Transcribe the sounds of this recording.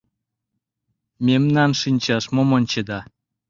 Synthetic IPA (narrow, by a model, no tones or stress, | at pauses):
mʲemnɑnʃinʲt͡ɕɑʃmomonʲt͡ɕed̪ɑ